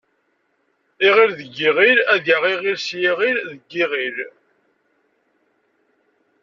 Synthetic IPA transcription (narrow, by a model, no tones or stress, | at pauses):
iʁiɾðəɡːiʁiɾæðaʁiʁiɾsjiʁiɾðəɡːiʁiɾ